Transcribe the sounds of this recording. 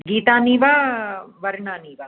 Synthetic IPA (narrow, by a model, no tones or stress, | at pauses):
ɡiːt̪aːniːʋaʋɐɾɳaːniːʋa